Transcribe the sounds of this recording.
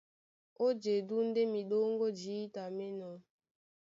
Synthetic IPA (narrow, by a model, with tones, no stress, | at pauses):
o˦d͡ʒe˨du˦n̩˦de˦mi˨ɗo˦ŋ˦ɡo˦d͡ʒiː˨˦ta˨me˦nɔ˨